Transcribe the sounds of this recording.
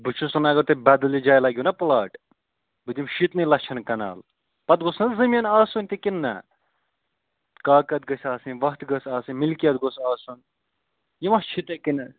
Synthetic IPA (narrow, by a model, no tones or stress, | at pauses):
bɨt͡ʃʰusunɐɡɐɾt̪ebɐd̪ɐlid͡ʒaːjlɐɡʲjunɐplaːʈ | bɨd̪ʲimʃit̪nɨlɐt͡ʃʰɐnkɐna̰ːl | pɐt̪ɡosnɐzɐmʲijɐnaːsunʲt̪ikinːɐ̰ | kaːkɐt̪̚ɡɐsʲaːsinʋɐkt̪ɡɐsaːsɨnmilkijɐt̪ɡosaːsun | jimɐst͡ʃʰit̪ekinɐ